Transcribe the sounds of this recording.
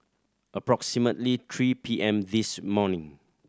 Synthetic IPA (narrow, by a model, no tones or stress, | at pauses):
ʔəpɹɔksimətlit̪ʰɹipʰiʔɛ̃mdismɔnɪ̃ŋ